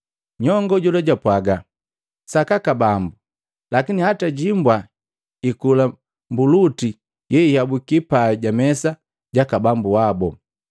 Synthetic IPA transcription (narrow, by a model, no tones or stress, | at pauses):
ɲɔŋɡɔɟulaɟapwaɡa | sakakabambu | lakinihataɟimbwa | ikula | mbuluti | jɛihabukipaɛɟamɛsa | ɟakabambuabɔ